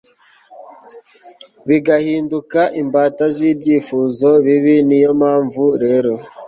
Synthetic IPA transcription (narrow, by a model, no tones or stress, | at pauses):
βiɡahiːndukaʔimbaːtaziːbɟiːfuːzo̞βiβinijo̞maːɱvuɾe̞ɾo̞